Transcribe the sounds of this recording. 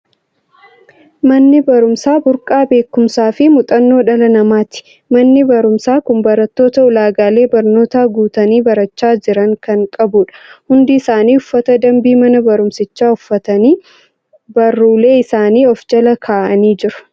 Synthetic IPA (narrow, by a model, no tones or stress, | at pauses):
mɐnːɪbɐɾʊmsaːbʊɾkʼaːbe̞ːkːʊmsaːfɪmʊt̪ʼɐnːo̞ːᶑɐlɐnɐmaːt̪ɪ̥ | mɐnːɪbɐɾʊmsaːkʊmbɐɾɐt̪ːo̞ːt̪ɐʊlaːɡaːle̞ːbɐɾno̞ːt̪aːɡuːt̪ɐniːbɐɾɐt͡ʃːaːd͡ʒɪɾɐŋkɐŋkʼɐbuᶑɐ̥hʊnd̪ɪɪsaːniːʊfːɐt̪ɐd̪ɐmbiːmɐnɐbɐɾʊmsɪt͡ʃːaːʊfːɐt̪niː | bɐrːuːle̞ːɪsaːniːɔfd͡ʒɐlɐkʰaːʔɐniːd͡ʒɪɾʊ̥